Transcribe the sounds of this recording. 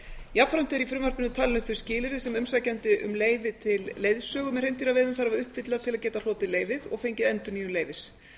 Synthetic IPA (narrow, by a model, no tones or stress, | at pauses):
japfɾam̥t̪ɛɾifɾʏmarpɪnʏt̪ʰaːlɪnʏθʏ̥scɪːlɪɾɪsɛmʏmsacɛnt̪ɪʔʏ̰mleːjvɪt̪ʰɪlːejðsœːɣʏmɛrejnt̪iɾavɛðʏmθaɾavaɾʏhpfɪt̪laðt̪ʰɪlaðcɛːt̪al̥ɔːt̪ɪleːjvɪðɔɣfejɲcɪðɛnt̪ʏniːjʏnleːjvɪs